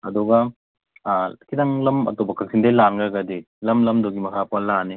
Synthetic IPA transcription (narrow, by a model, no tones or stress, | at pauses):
ɐdɔɡɐ | kʰidɐŋlɐmɐ̰tobɐkʰɐk̚sindejlanɡaɡɐdi | lɐmlɐmdoɡimɐkʰapɐlani